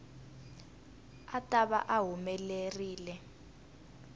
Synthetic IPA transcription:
atʼaβa̰ʔaɦumɛleriːlɛ

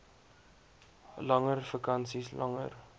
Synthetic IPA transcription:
lɐŋərfəkɐnsislʔɐŋə̰r

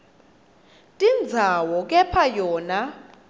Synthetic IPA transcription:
tʼind͡zʱawɔkʼɛpʰajɔːna

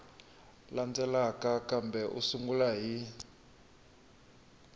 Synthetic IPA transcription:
land͡zɛlakakambɛʔṵsuŋɡulaɦi

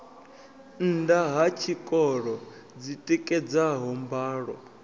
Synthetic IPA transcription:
n̩ndaɦat͡ʃʰikʼɔɺɔ | d͡zitʼɛkʼɛd͡zaɦɔmbaːɺɔ̰

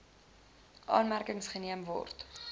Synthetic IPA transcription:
ʔɑːnmærkəŋsχəniəmvɔ̰rt

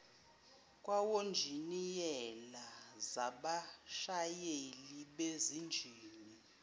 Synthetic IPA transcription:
kʼwawond͡ʒʱinijɛlazaɓaʃajeliɓezind͡ʒʱiːni

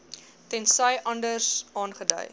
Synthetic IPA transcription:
tɛnsɐjʔɐndərsɑːnχədœ̰j

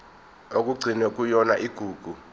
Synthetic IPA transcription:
ok̬ʼuɡ͡ǀʱinɛk̬ʼujɔnaʔiɡ̥ʱuːɡ̥ʱu

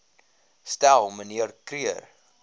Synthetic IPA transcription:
stælˠməniərkriər

